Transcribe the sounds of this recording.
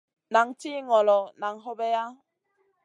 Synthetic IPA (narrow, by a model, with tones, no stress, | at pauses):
na˨˦ŋti˦ŋɔ˨lɔ˨na˨˦ŋɦɔ˦bɛ˦ja˦